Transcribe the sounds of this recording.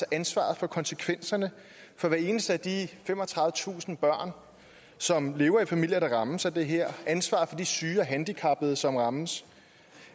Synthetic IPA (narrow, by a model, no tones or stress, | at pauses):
ʔænsʋɑ̰̈ð̩ˠfɒ̽kʰɒ̽nsəkʰʋen̰sɐnə | fɒ̽ʋæɐe̝ːnəsd̥əæd̥ifemɒ̽t͡sʰʁɑððˠət͡sʰṵːsn̩b̥ɶɐ̰n | sɒ̽mle̝ːʊɐifæmil̰jɐɾ̥ɑ̈ʁɑ̈məsæd̥e̝ɦeɐ̰ænsʋɑ̰̈ð̩ˠfɒ̽d̥isyːɒɦænd̥ikʰɑ̈b̥ð̩ˠsɒ̽mʁɑ̈məs